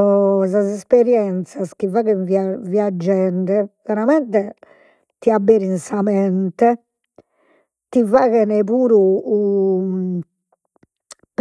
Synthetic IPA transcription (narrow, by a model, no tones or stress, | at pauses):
sazɛspɛɾjɛnt̪sask̟ivaɣɛvaviad͡ʒːɛɳɖɛvɛɾamɛnt̪ɛ | t̪iabːeːɾinsamɛnt̪ɛ | t̪ivaɣɛnɛpuːɾuː | p